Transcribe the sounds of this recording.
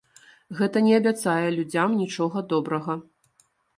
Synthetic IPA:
ɣɛt̪ɐnʲɛɐbʲat̪sajɛlʲud͡zʲamnʲit͡ʂɔɣɐd̪ɔbɾɐɣɐ

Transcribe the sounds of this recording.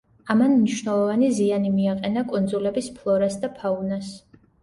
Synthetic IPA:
amanmniʃnɛlˠɔvanizianimiaqʼɛnakʼund̪zulɛbispʰlˠɔɾasd̪apʰaunas

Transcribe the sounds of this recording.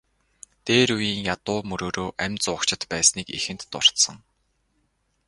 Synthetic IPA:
t̪eːɾujiːŋjat̪ʊːmɵɾoːɾoːʔæmʲt͡sʊːkt͡ɕɪ̆t̪pæːsniːkḭxɘ̆nt̪ːʊ̰r̥t̪sə̆ŋ

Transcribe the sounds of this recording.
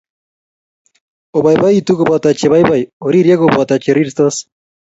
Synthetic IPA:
oβajbajit̪ukobat̪at͡ʃeβajβajoɾiɾiaɣoboat̪at͡ʃeriɾst̪oas

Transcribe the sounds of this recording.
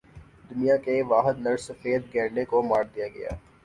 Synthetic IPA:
d̪ʊnijãkeʋaːɦəd̪̚nɐɾsɐfeːd̪ɡɛ̃ːɾɖekomaːɾd̪ijaɡɐja̰ː

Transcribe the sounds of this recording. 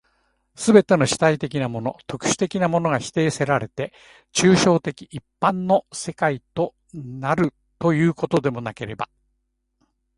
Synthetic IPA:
sɨbe̞t̪e̞no̞ɕi̥t̪ait̪e̞kʲinamo̞no̞̰t̪o̞kɯ̟̥ɕɨ̥t̪e̞kʲinamo̞no̞ɡaçi̥t̪e̞ːse̞ɾaɾe̞t̪e̞ | t͡ɕɨːɕo̞ːt̪e̞kʲiʔipːãnːo̞se̞kait̪o̞ | naɾɯ̟ | t̪o̞jɯ̟ːko̞t̪o̞d̪e̞mo̞nake̞ɾe̞ba̰

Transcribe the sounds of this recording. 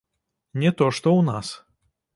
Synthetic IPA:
nʲɛt̪ɔʂt̪ɔwnas

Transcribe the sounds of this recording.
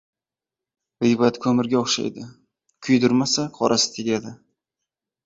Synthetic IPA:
vɪjbat̪kʰɵmɪɾɡʲaoχʃa̰jd̪ɪ | kʲʰʊjd̪ʊɾmasaqʰɒɾʔasɪ̥t̪ʰeɡʲɾad̪ɪ

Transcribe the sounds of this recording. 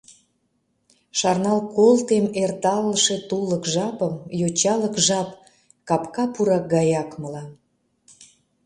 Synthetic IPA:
ʃɑrnɑlkolt̪emert̪ɑlːəʃe̽t̪uləkʒɑpəmjot͡ɕɑləkʒɑp | kɑpkɑpuɾɑk̚ɡɑjɑkməlɑm

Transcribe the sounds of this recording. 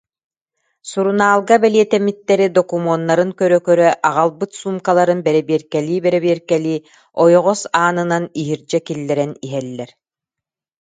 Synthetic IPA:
suɾunaːlˠɡabɛliɛt̪ɛmit̪ːɛɾid̪ɔkumɔnːaɾɯŋkœɾœkœɾœʔaʁalˠbɯt̪suːmkalˠaɾɯnbɛɾɛbiɛɾkɛliːbɛɾɛβiɛɾkɛliː | ɔjɔʁɔsaːnɯnaniɦiɾd͡ʑɛkilːɛɾɛniɦɛlːɛɾ

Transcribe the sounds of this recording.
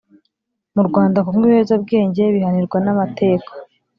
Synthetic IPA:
muɾɡwaːndakumŋiβeːzab̚ɡe̞ːɲɟe̞βihaniɾɡwanamatʰe̞ːkḁ

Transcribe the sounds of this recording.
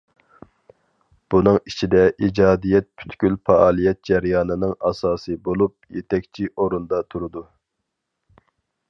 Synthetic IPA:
b̥unɨŋit͡ʃʰid̪ɛʔid͡ʒɑːd̪ijɛt̪̚pʰy̥t̪kʲylfɑʔɑːlˠijɛt̪̚d͡ʒɛɾjɑːnɨnɨŋɑsɑːsɨbolˠup̚jet̪ʰɛkʲt͡ʃʰiʔoɾund̪ɑt̪ʰuɾɨd̪u

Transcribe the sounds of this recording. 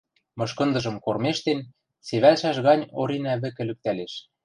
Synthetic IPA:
mɤ̆ʃkɤ̆nd̪ɤ̆ʒɤ̆mkormeʃt̪en | seβælʃæʃɣɑnʲoɾinæβɘ̆kɘ̆lyk̚t̪æleʃ

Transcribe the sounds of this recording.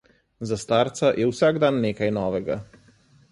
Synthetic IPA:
zast̪aːɾt̪sajʔɛwsaːɡd̪anːeːkajnɔːʋɛɡa

